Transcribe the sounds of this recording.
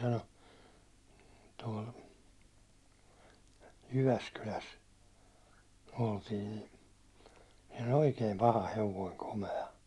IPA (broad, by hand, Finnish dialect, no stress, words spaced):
sɑno tuɒl jyʋæskylæs oltiː ni siːn̥ o̥l̥ oikeːm pɑhɑ heʋoiŋ komeɑ